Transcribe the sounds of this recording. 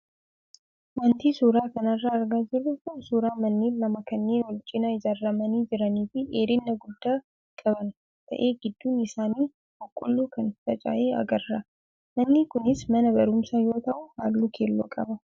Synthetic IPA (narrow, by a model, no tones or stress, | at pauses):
mɐnt̪iːsuːɾaːkɐnɐrːaːɐɾɡaːd͡ʒɪɾʊkʊnsuːɾaːmɐnːiːlɐmɐkɐnːeːnwɔlt͡ʃʼːɪnaɪzɐrːɐmɐniːd͡ʒɪɾɐniːfɪʔeːɾɪnːɐɡʊd̪ːaː | kʼɐbɐn | t̪ʰɐ̰ʔeːɡɪd̪ːuːnɪsaːniː | hʊkʼːʊlːuːkʰɐnt̪ɐt͡ʃʼa̰ːjeːɐ̰ɡɐrːa | mɐnːiːkʊnɪsmɐnɐbɐɾʊmsɐjo̞ːt̪ɐʔʊha̰ːlːukʰeːlːo̰kʼɐbɐ